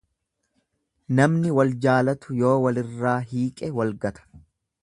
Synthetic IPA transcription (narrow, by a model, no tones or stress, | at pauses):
nɐmnɪwɐld͡ʒaːlɐt̪ʊjo̞ːwɐlɪrːaːɦiːkʼɛwɐlɡɐt̪ʰɐ̥